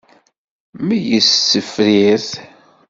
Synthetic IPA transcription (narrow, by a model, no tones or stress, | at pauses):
mijəsːəfɾiɾθ